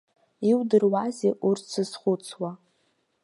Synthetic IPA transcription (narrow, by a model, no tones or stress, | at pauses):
iwdɨrwazeʔurt͡sʰɨsχʊt͡sʰwa